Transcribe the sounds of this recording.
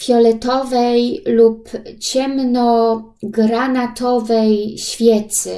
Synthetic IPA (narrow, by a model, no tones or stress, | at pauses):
fjɔlɛt̪ɔvɛjlupt͡ɕɛmnɔɡɾanat̪ʰɔvɛjɕfʲjɛt̪sɘ̰